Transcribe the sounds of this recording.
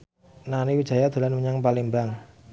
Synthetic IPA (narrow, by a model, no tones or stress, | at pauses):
naniwid̥ʒ̥a̤jad̪̥a̤lanməɲaŋpalimbaŋ